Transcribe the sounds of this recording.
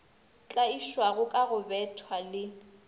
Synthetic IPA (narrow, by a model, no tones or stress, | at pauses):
t͡ɬʼaiʃwaɣʊkʼaɣʊbɛtʰwalɪ